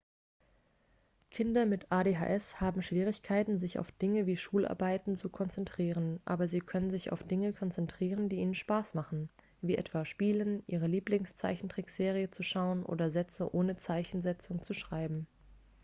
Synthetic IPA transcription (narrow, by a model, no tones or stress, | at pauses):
kʰɪndɐmɪtʔaːdeːɦa̰ːʔɛshaːbm̩ʃv̥iːʁ̞ɪçkʰaɪtn̩zɪça̰ʊfd̥ɪŋəviːʃuːlʔa̰ɐbaɪtn̩t͡sukʰɔnt͡sɛntʁ̥iːʁ̞ənʔa̰ːbɐziːkʰœnənzɪça̰ʊfd̥ɪŋəkʰɔnt͡sɛntʁ̥iːʁ̞əndiːʔiːnənʃpaːsmaχn̩ | viːʔɛ̰tv̥aːʃpiːlənʔiːʁ̞əliːplɪŋst͡sa̰ɪçn̩tʁ̥ikz̥eːʁ̞iət͡suʃaʊənʔo̰ːdɐzɛt͡səʔoːnət͡saɪçn̩zɛt͡sʊŋt͡suʃʁ̥aɪbm̩